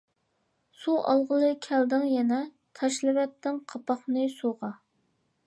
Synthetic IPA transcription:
suʔɑ̰lˠʁəlˠɨkʲʰɛld̪ɪŋjɛnɛ | t̪ʰɑʃlɨwɛt̪ːɪŋqʰɑpɑχnɨsuʁɑ

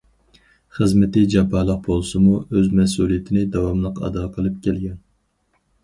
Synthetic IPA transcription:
χəzmɪt̪ɪd͡ʒɑpʰːɑlˠəq̚bolˠsɨmuøzmɛsulˠijɪt̪ʰɪnɪd̪ɑwɑmlˠəqɑ̰d̪ɑqʰəlˠɨp̚kʲʰɛlɡʲɛn

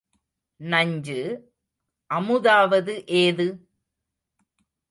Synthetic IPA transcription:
nɐɲd͡ʒɯ | ʔɐmɯðaːʋɐðɯʔeːðɯ

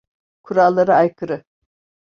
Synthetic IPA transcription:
kʰuɾalˠːaɾɯajkʰɯɾɯ

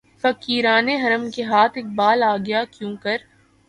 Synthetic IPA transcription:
fɐkiːɾaːneɦɐɾəmkeɦaːt̪ʰek̚baːlaːɡɐjakjũːkɐɾ

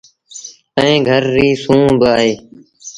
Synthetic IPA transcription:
əẽːɡʱəɾːiːsũːbaːɦeː

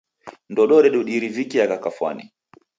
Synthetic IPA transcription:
ndɔɗɔɾɛɗuɗiɾivikiakakafwa̰nḭ

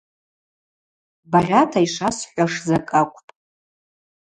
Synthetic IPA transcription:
barʲatʰaiʂasħʷaʂzakʼakʷʰʼpʼ

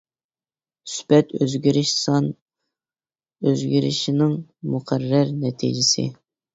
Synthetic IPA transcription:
y̥spɛt̪ø̰zɡʲiɾɪʃsɑn | øzɡʲiɾɪ̰ʃinɪŋmuqʰæɾːæɾnɛt̪ʰḭd͡ʒɪsɪ̰

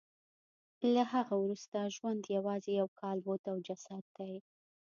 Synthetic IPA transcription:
lahaɣawɾust̪aʒwand̪jawɑzejawkʰɑlbot̪awd͡ʒasad̪̚ːaj

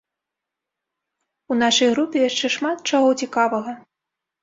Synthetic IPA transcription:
unaʂɐjɣɾupʲɛjaʂt͡ʂɛʂmat̪̚t͡ʂaɣɔt͡sʲikavɐɣɐ

